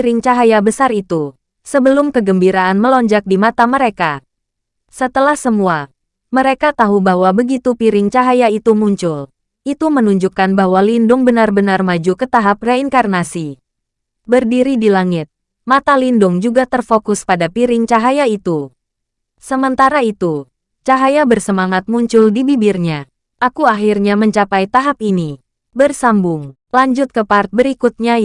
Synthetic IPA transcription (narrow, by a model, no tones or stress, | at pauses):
ɾɪŋt͡ʃaɦajabəsarit̪u | səbəlʊmkəɡəmbiɾaʔanməlɔɲd͡ʒak̚dimat̪aməɾeka | sət̪əlahsəmua | məɾekat̪aɦubahwabəɡit̪upiɾɪŋt͡ʃaɦajait̪umuɲt͡ʃʊl | ʔit̪umənuɲd͡ʒukanbahwalindʊŋbənarbənarmad͡ʒukət̪aɦap̚reiŋkarnasi | bərdiɾidilaŋɪt̪̚ | mat̪alindʊŋd͡ʒuɡat̪ərfokʊspadapiɾɪŋt͡ʃaɦajait̪u | səmənt̪aɾait̪u | t͡ʃaɦajabərsəmaŋat̪̚muɲt͡ʃʊldibibɪrɲa | ʔakuaɦirɲaməɲt͡ʃapajt̪aɦap̚ini | bərsambʊŋ | laɲd͡ʒʊt̪̚kəpart̪̚bəɾikut̪̚ɲa